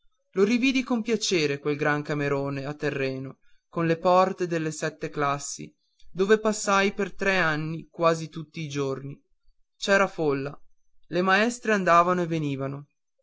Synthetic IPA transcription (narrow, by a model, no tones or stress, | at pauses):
loɾiviːd̪ikompjat͡ʃeːɾekwelɡɾaŋkameɾoːneat̪ːerːɛːno | konlepɔrt̪ed̪elːesɛt̪ːeklasːḭ | d̪oːvepasːajpert̪ɾɛanːikwaːzit̪ut̪ːiːd͡ʒorni | t͡ʃɛːɾafolːa | lemaɛst̪ɾeand̪aːvanoeveniːvano